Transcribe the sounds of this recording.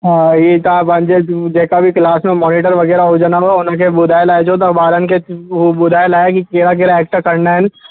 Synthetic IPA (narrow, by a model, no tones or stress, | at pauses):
jet̪ɐãbɐnd͡ʒed͡ʒɛɦkabʱiklaːsmẽmɔːnɪʈəɾʋɐɡɛːɾaɦod͡ʒanaɦoʊnãk̬ebʊd̪ʱaːjlaːed͡ʒoːt̪ɐkbaːɾənkebʊd̪ʱaːjlaːjekikeːɾak̬eːɾaeːk̚ʈkɐɾnaɦɛn